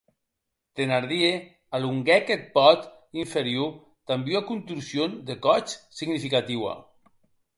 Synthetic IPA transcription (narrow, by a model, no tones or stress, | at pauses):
t̪enaɾðie | aluŋɡɛket̪̚pɔt̪ | iɱfeɾju | t̪ambuakunt̪ɾusijond̪ekɔt͡ʃsiɡnifikat̪iwa̰